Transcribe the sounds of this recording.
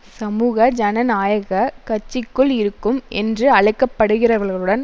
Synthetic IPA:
sɐmuːɣɐd͡ʒɐnɐnaːjɐɣɐkɐt͡ʃːɪkːɯɭɪɾɯkːɯmʔɛ̰ndrɯɐɭɐɪkːɐpːɐɽɯɣɪrɐʋɐɾɣɐɭɯɽɐn

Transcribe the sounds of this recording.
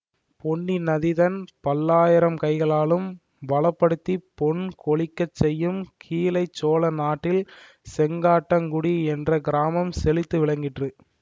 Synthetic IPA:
pɔɳːinɐðɪðɐnpɐlːaːjɪɾɐmkɐɪɣɐɭaːlɯm | ʋɐɭɐpːɐɽɯt̪ːipɔɳkɔɭɪkːɐt͡ʃːɛjːɯmkʰiːlɐɪt͡ʃːoːlɐnaːʈːɪl | sɛŋɡaːʈːɐŋɡʊɽiɛndrɐɡɪɾaːmɐmsɛlɪt̪ːɯʋɪɭɐŋɡɪʈrɯ

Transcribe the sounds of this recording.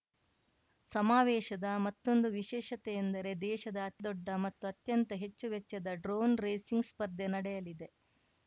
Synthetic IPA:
sɐmaːʋɛːʃɐd̪ɐmɐt̪ːo̞nd̪uʋiʃɛːʃɐt̪ɛjend̪ɐɾe̞d̪ɛːʃɐd̪ɐːd̪ɔɖːɐmɐt̪ːuɐt̪jɐnt̪ɐɦe̞t͡ʃːuʋɛt͡ʃːɐd̪ɐɖɾoːnɾeːsiŋɡspɐɾd̪ːenɐɽɛjɐlid̪e̞

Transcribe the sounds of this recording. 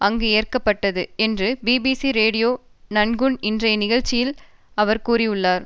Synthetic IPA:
ɐŋɡeeːɐrkɐpːɐʈːɐðɯɛndrɯbiːbiːsiɾeːɽɪjoː | nɐnɡɯɳɪndrɐɪnɪɣɐɻt͡ʃːɪjɪl | ɐʋɐɾkuːɾiʊɭːaːɾ

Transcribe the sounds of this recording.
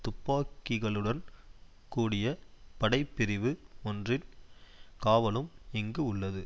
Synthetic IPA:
t̪ʊpːaːkːɪɣɐɭɯɽɐn | kuːɽɪjɐpɐɽɐɪpːɪɾɪʋɯɔndrɪn | kaːʋɐlɯmɛŋɡɯʊɭːɐðɯ

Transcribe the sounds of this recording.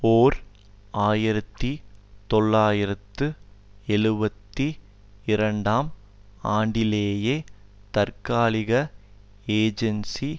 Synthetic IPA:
oːɾ | aːjɪɾɐt̪ːit̪ɔɭːaːjɪɾɐt̪ːɯɛɻɯbɐt̪ːi | ɪɾɐɳɖaːm | aːɳɖɪleːjeː | t̪ɐɾkaːlɪɣɐ | eːd͡ʒɛnsi

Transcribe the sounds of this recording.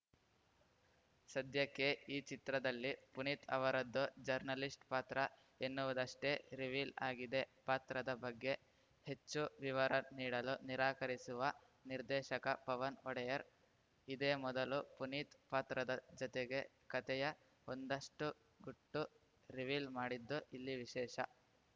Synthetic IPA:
sɐd̪jɐkːeiːt͡ʃit̪ɾɐd̪ɐlːipunit̪ʰɐʋɐɾɐd̪ːud͡ʒɐɾnɐlisʈpaːt̪ɾɐ | enːuʋud̪ɐʂʈeɾiʋilaːɡid̪e̞paːt̪ɾɐd̪ɐbɐɡːe̞ | he̞t͡ʃːuʋiʋɐɾɐniːɽɐluniɾaːkɐɾisuʋɐ | niɾd̪ɛːʃɐkɐpɐʋɐnɔɽɛjɐɾ | id̪eːmɔd̪ɐlupunit̪paːt̪ɾɐd̪ɐd͡ʒɔt̪eɡe̞ | kɐt̪ɛjɐ | ond̪ɐʂʈu | ɡuʈːu | ɾiʋilmaːɽid̪ːuilːiʋiʃɛːʃɐ

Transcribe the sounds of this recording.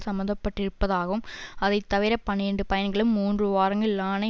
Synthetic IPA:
sɐmbɐnd̪ɐpːɐʈːɪɾɯpːɐðaːɣɐɯmɐðɐɪt̪ːɐʋɪɾɐpɐneɳɖɯpɐjɐnɡɐɭɯmːuːndrɯʋaːɾɐŋɡɪɭːaːnɐ

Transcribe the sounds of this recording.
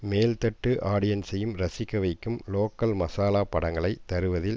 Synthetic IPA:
meːlt̪ɐʈːɯʔaːɽɪjɐnsɐjɯmɾɐsɪkːɐʋɐɪkːɯmloːkːɐlmɐsaːlaːpɐɽɐŋɡɐɭɐɪt̪ːɐɾɯʋɐðɪl

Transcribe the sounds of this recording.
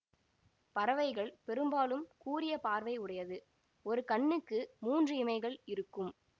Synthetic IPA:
pɐɾɐʋɐɪɣɐɭpɛɾɯmbaːlɯmkuːɾɪjɐpaːɾʋɐɪʊɽɐjɐðɯ | ɔɾɯkɐɳːɯkːɯmuːndrɯɪmɐɪɣɐɭɪɾɯkːɯm

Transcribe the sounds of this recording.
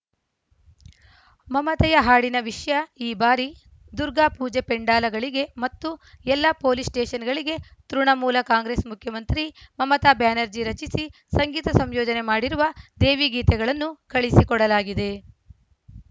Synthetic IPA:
mɐmɐt̪ɐjɐɦaːɽinɐʋiʂjɐiːbaːɾi | d̪uɾɡaːpuːd͡ʒepeɳɖaːlɐɡɐɭiɡe̞mɐt̪ːuɛlːɐpoːlisʈeːʃɐnɡɐɭiɡe̞t̪ɾuɳɐmuːlɐkaːŋɡɾeːsmukʰjɐmɐnt̪ɾimɐmɐt̪aːbjaːnɐɾd͡ʒiɾɐt͡ʃisi | sɐŋɡiːt̪ɐsɐmjɔːd͡ʒɐne̞maːɽiɾuʋɐd̪eːʋiɡiːt̪ɛɡɐɭɐnːukɐɭisikɔɽɐlaːɡid̪e̞

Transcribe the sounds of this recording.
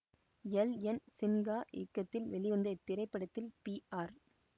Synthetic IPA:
jɛlɛnsɪnɡaːʔɪkːɐt̪ːɪlʋɛɭɪʋɐnd̪ɐt̪ːɪɾɐɪpːɐɽɐt̪ːɪlpiːaːɾ

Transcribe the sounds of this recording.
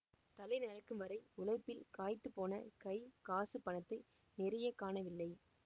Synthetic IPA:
t̪ɐlɐɪnɐɾɐkːɯmʋɐɾɐɪʊlɐɪpːɪlkaːjt̪ːɯpːoːnɐ̰kɐɪkaːsɯpːɐnɐt̪ːɯ | nɪɾɐjɐkːaːnɐʋɪlːɐɪ

